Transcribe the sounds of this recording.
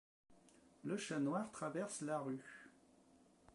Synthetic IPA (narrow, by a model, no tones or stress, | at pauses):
ləʃanwaʁt̪χavɛʁslaʁy